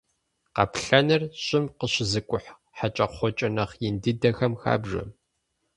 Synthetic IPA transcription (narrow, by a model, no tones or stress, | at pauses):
qɑ̰pɬɐnɨrɕʼɪmqəɕɪzɨkʷʼʊħ | ħat͡ʃʼɐχʷɔt͡ʃʼɐnɐχjɪndɨdɐxɐmxa̰ːbʐɐ̰m